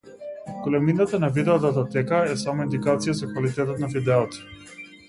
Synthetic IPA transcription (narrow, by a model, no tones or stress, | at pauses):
kolɛminat̪anavid̪ɛɔd̪at̪̬at̪ɛkaɛsamɔind̪ikat̪sijazakvalit̪ɛt̪ɔt̪nafid̪ɛɔt̪ə̥